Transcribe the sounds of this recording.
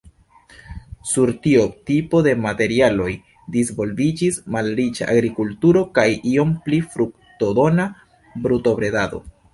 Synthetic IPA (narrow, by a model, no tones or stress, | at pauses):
suɾtio̞tipo̞de̞mate̞ɾialo̞j | disvo̞lvid͡ʒismalɾit͡ʃa̰ʔa̰ɡɾikultuɾo̞kajʔio̞mplifɾuk̚ | todo̞na | bɾuto̞bɾe̞dado̞̰